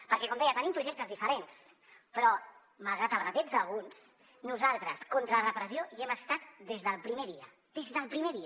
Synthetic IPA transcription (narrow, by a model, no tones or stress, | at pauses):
pəɾkɛkɔmd̪ɛjət̪ənimpɾuʒɛk̚t̪əzðifəɾens | pɾɔ | məlˠɣɾat̪əlˠɣat̪ɛd͡zd̪əlˠɣuns | nuzalˠt̪ɾəskɔnt̪ɾərəpɾəzioiɛməst̪at̪̚d̪ezðəlˠpɾimeðiə | d̪̥ezðəlˠpɾimeði